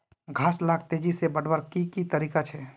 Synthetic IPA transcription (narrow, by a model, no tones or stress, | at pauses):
ɡʱaːslaːk̚t̪eːd͡ʒisebəɽbəɾkikit̪əɾiːkat͡ʃʰɛ